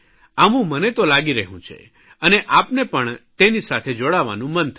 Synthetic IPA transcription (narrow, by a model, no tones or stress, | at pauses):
aʋũmənet̪olaɡiɾəɦũt͡ʃʰḛ | əneʔapnepəɳt̪enisat̪ʰed͡ʒoɽaʋa̰nũmənt̪ʰ